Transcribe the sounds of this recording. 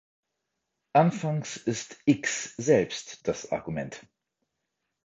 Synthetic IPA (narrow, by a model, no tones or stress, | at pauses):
ʔanfaŋsɪstʔɪksz̥ɛlpstd̥asʔa̰ɐɡumɛnt